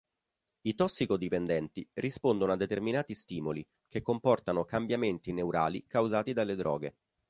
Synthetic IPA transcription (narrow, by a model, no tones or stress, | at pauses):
it̪ɔsːikod̪ipend̪ɛnt̪irʔispond̪onoad̪ːet̪erminaːt̪ist̪iːmoli | kekːompɔrt̪anokambjament̪inewɾʔaːlḭkawzaːt̪id̪alːed̪ɾɔ̰ːɡe